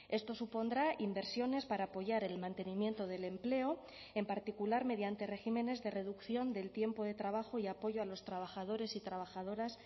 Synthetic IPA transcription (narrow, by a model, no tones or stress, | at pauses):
e̞st̪o̞supo̞nd̪ɾaimbe̞ɾsjo̞ne̞spaɾaːpo̞ʝaɾe̞lmãnt̪e̞nimje̞nt̪o̞ð̞e̞le̞mple̞o̞ | e̞mpaɾt̪ikulaɾme̞ðjant̪e̞re̞xime̞ne̞zðe̞re̞ðukθjo̞nd̪e̞lt̪je̞mpo̞ðe̞t̪ɾaβ̞axoiapo̞ʝo̞alo̞st̪ɾaβ̞axað̞o̞ɾe̞sit̪ɾaβ̞axað̞o̞ɾas